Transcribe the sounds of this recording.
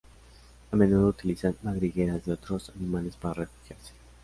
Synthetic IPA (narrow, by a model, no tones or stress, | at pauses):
ame̞nuðout̪ilisanːaɣɾiɣeɾazðeo̞t̪ɾo̞sanimale̞spaɾare̞fu̥xjaɾse̥